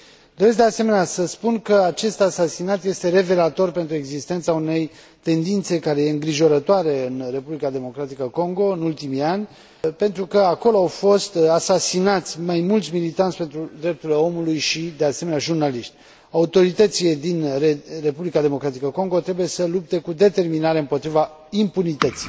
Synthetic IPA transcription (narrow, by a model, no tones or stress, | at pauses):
d̪o̞ɾes̬kd̪ease̞me̞neasəspunkəat͡ʃe̞st̪asasinat̪je̞st̪e̞ɾe̞ve̞lat̪o̞rpe̞nt̪ɾue̞ɡzist̪e̞nt̪saune̞j | t̪e̞nd̪int̪sekaɾe̞jeɨŋɡɾiʒo̞ɾət̪oaɾe̞ɨnre̞publikad̪e̞mo̞kɾat̪ikəko̞ŋɡo̞ɨnult̪imianʲ | pe̞nt̪ɾukəako̞loawfo̞st̪asasinat̪sʲmajmult̪sʲmilit̪ansʲpent̪ɾud̪ɾe̞p̚t̪uleo̞mulujʃid̪e̞aseme̞neaʒurnaliʃt̪ʲ | aut̪o̞ɾit̪ət̪siled̪inere̞publikad̪e̞mo̞kɾat̪ikəko̞ŋɡo̞t̪ɾe̞buje̞səlup̚t̪e̞kud̪e̞t̪e̞rminaɾe̞ɨmpo̞t̪ɾiva | impunit̪ət̪si̥j